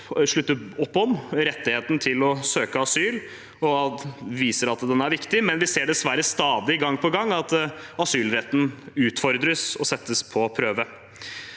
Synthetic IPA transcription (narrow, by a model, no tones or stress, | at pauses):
ʂɭʉt̪ːəɔpːɔmɾɛt̪ːɪheːt̪n̩t̪ʰɪlɔsøːkəɑsyːl | ɔʋiːsəɾɑt̪d̪ɛnæɾʋɪkt̪ɪmɛnʋɪseːɖɛsʋæɾəst̪ɑːd̪ɪɡɑŋːpʰɔɡɑŋːɑt̪ɑsyːlɾɛt̪ːn̩ʉːt̪fɔɾd̪ɾəsɔsɛt̪ːəspʰɔpʰɾøːʋə